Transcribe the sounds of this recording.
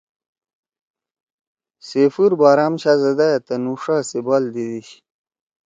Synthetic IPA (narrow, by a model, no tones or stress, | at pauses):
sefuɾbaːɾaːmɕʰazɐd̪ajt̪ɐnuʂasibald̪id̪iɕ